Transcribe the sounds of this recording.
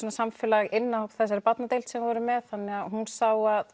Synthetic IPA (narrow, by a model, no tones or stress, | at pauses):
ɔnasamfɛlaɣɪnːahopθɛs̬ːaɾɪpat̪nat̪ejlt̪sɛmvvɔɾʏmɛðθanːɛɣaɦunsaːwað